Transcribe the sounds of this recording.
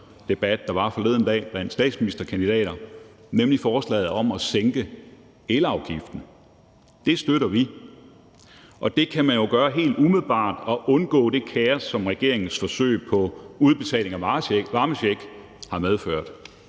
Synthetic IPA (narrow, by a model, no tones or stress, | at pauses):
d̥e̝b̥æd̥ːɑ̈ʋɑ̈fɒ̽le̝ð̰ˠn̩d̥ɛ̰ːb̥lænd̥sd̥ɛ̰ːd̥sminisd̥ɐkʰænd̥id̥ɛ̰ːɾɐ | nemlifɒːslɛ̰ːð̩ˠɒ̽mɒ̽seŋɡ̥ə | eləɑ̈ʊɡ̥ifd̥n̩ | d̥e̝sd̥øɾɐʋi | ʔɒ̽d̥e̝kʰæmænjo̝ɡ̥ɶːɐɦe̝̰ːld̥umið̩ˠb̥ɑ̰̈ːd̥ɒ̽ʔɔ̽nɡ̥ɔ̰ːd̥e̝kʰæɐsɒ̽mʁɛɡ̥e̝ɐe̝ŋn̩sfɒ̽sø̰ːɪpʰɒ̽uð̞ˠb̥e̝t͡sʰɛ̰ːle̝ŋæʋɑ̈məeɡ̥ | hɑ̈með̞ˠføɐ̰d̥